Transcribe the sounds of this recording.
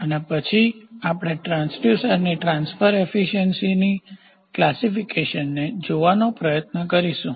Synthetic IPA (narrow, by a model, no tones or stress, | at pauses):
ənepət͡ʃʰiapɽ̃eʈɾãnsɖjusəɾniʈɾãnsfəɾefiʃənsini | klasifikeʃənːed͡ʒoʋanopɾəjət̪nəkəɾiʃũ